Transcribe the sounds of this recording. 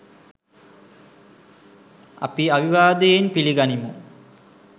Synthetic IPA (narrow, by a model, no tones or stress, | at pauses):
a̰piaʋiʋaːd̪əjenpiliɡanimṵ